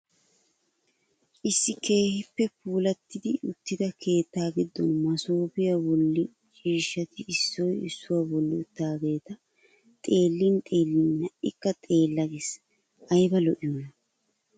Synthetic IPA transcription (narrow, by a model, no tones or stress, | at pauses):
ʔɪsːɪke̞ːhɪpːɛpuːlɐt̪ːɪd̪ɪʊt̪ːɪd̪ɐkʰe̞ːt̪ːaːɡɪd̪ːɔnmɐsoːbɪjabɔlːɪ | t͡ʃʼiːʃːɐt̪ɪɪsːɔjɪsːʊwabɔlːɪt̪ːaːɡe̞ːt̪ɐ | t̪ʼe̞ːlːɪnt̪ʼe̞ːlːɪnːɐʔɪkːɐt̪ʼe̞ːlːɐɡes | ʔɐjbɐlɔʔɪjonɐ